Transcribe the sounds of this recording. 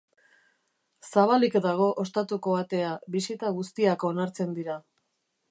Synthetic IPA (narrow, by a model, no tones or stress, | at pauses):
saβ̞alikd̪aɣ̞o̞ʔost̪at̪uko̞βat̪e̞aβisit̪aɣust̪iako̞naɾt͡se̞nd̪iɾa